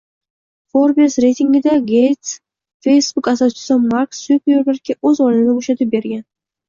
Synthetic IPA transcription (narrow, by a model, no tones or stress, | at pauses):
foɾbsɾe̞jt̪ʰɪŋɡʲɪd̪aɡʲejt̪s | fe̞jsbʊkasat͡ʃɪ̥samaɾksupʲeɾlaɾkʲʰaɵzɒlɪɪnaboʃat̪ʰɪp̚be̞ɾɡʲan